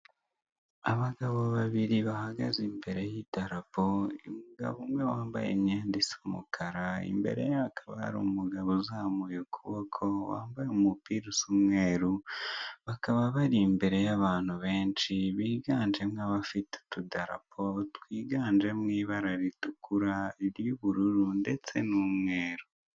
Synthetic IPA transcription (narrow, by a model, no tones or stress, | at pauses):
aβaɡaβoβaβiɾiβahaɡazimbe̞ɾe̞jidaɾapoḭmuɡa̰βumwewaːmbajḛmɲeːndisomṵkʰaɾaḭmbe̞̰ɾe̞̰jaβakʰḁβa̰a̰ɾṵmuɡaβozaːmujokʰuβokʰo̞wa̰ːmbajemupiɾusumŋeːɾuβakaβaβaɾimbe̞ɾe̞jaβaːn̥huβe̞ːnʃiβiːɡaːnd͡ʒemŋaβafitu̥tudaɾa̰pʰotwiːɡaːnd͡ʒe̞mŋiːβaɾaɾitukuɾaiɾjuβuɾuɾunde̞t͡se̞numŋwe̞ːɾu